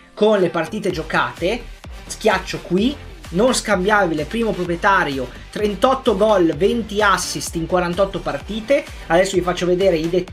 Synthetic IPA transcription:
konlepart̪iːt̪ed͡ʒokaːt̪esk̟jat͡ʃːokwi | nonskambjaːvilepɾiːmopɾopɾjet̪aːɾjo | t̪ɾent̪ɔt̪ːoɡɔlvent̪iasːist̪iŋkwaɾant̪ɔt̪ːopart̪iːt̪e | ad̪ɛsːovifat͡ʃːoved̪eːɾeid̪e

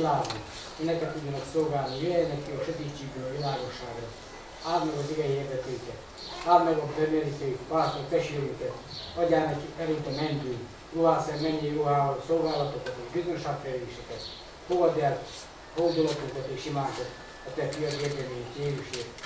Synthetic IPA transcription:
laːɡ̪ni | inːɛkɛt̪ːudɟːɒnɒksolɡaːlnijeɛjnɛkːiɒʃɛt̪iːt͡ʃːiːɡbøːlɒʋilaːɡo̞ʃːaːɡrɒ | aːrnɛɡoziɡɛjieːrd̪ɛt̪eːkɛt̪ | aːrmɛɡodbɛmeliset̪paːt̪ot̪ɛʃylykɛt̪ | ɒɟaːnɛkiɛɾint̪ɛmɛnd̪yːn | joɦaːsɛɾmɛɲːiɛjoɦaosolɡaːlɒt̪okɒt̪eːʒbizønʃaːkfɛjliːʃɛkɛt̪ | hoɒd̪ɛlt̪ | hold̪olok̪ːuk̪ɛt̪eːʃimaːt̪ot̪ | ɒt̪ɛfijɒɡeːrd̪ɛmejit̪eːɾyʃeː

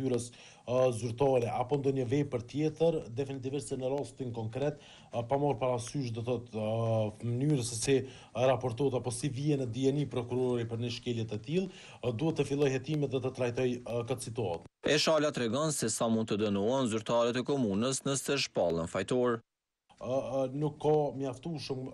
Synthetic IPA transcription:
yɾəs | zyɾt̪ɑɾɛʔapɔnd̪ɔɲəvɛpəɾt̪jɛt̪əɾd̪ɛfinit̪ivɛsɛnəɾast̪inkɔŋkɾɛt̪ | pamɔɾpaɾasyʃ̬d̪ɔθɔt̪ | mənyɾəsɛsi | ɾapɔɾt̪ɔɛt̪apɔsiviɛnɛd̪iɛnipɾɔkuɾɔɾipəɾnəʃkɛljɛt̪ɛt̪ilˠ | d̪uhɛt̪ːəfilˠɔjhɛt̪imɛt̪ðɛt̪ət̪ɾajt̪ɔjkət̪sit̪uat̪ɛʃalat̪ɾɛɡɔnsɛsamunt̪t̪əd̪ənɔanzyɾt̪aɾɛt̪ɛkɔmunəsnəsɛʃpalˠənfajt̪ɔɾ | nukʰːamjaft̪uʃəm

